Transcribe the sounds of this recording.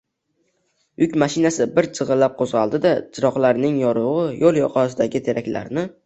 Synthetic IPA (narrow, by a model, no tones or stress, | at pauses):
ʊkʲmaʃɪnasɪbɪɾt͡ʃʰɨʁɨlːap̚qʰozʁɑlˠd̪ɪd̪at͡ʃʰɪɾɒqlˠaɾnɪŋjɒɾʊʁɨjʔolˠjɒ̰qʰɒsɪd̪aɡʲɪt̪ʰe̞ɾʔakʲla̰ɾnɪ